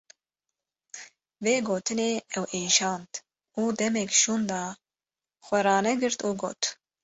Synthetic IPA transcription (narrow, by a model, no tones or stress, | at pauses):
veːɡoːt̪ʰɨneːɛwʔeːʃɑːnt̪ | uːd̪ɛmɛkʃuːnd̪ɑː | xʷɛɾɑːnɛɡɨɾt̪uːɡo̰ːt̪